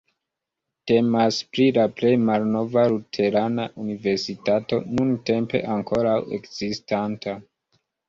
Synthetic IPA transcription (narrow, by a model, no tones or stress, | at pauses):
te̞maspɾilaple̞jmalno̞valutʰe̞ɾanaʔunive̞ɾsitato̞̰nunte̞mpe̞̰ʔaŋko̞ɾawe̞̰kz̥istanta